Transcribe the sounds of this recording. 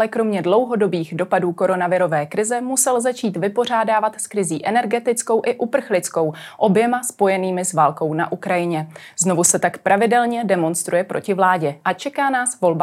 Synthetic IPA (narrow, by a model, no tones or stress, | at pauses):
ɛkɾo̞mɲɛdlo̞wɦo̞do̞biːɣdo̞paduːko̞ɾo̞navɪɾo̞vɛːkɾɪzɛmusɛlzat͡ʃiːt̪vɪpo̞r̝aːdaːvat̪skɾɪziːʔɛnɛɾɡɛt̪ɪt͡sko̞wʔɪʔupr̩xlɪt͡sko̞wʔo̞bjɛmaspo̞jɛniːmɪzvaːlko̞wna̰ʔukɾajɪɲɛzno̞vusɛt̪akpɾʔavɪdɛlɲɛdɛmo̞nst̪ɾujɛpɾʔo̞̰cɪvlaːɟɛʔat͡ʃɛkaːnaːsvo̞lba